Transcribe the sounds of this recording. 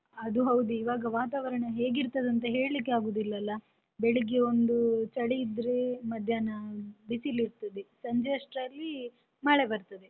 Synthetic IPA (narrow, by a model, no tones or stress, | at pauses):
ɐd̪uɦɐwd̪iːʋaːɡɐʋaːt̪aːʋɐɾɐɳɐɦeːɡiɾt̪ɐd̪ɐnt̪̬ɐɦe̞ːɭlik̬ːeaːɡoːd̪ilːɐlːɐ | beɭiɡeond̪ut͡ʃɐɭijid̪ɾemɐd̪ʱjaːnɐbisiliɾt̪ɐd̪esɐɲd͡ʒeɐʂʈɾɐlːi | maːɭebɐɾt̪ɐd̪e